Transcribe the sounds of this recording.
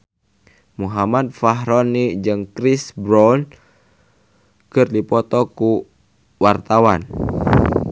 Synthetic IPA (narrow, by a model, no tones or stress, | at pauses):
muɦamat̪̚faɦɾɔnid͡ʒɨŋkɾisbɾɔn | kɨrdipɔt̪ɔku | wart̪awan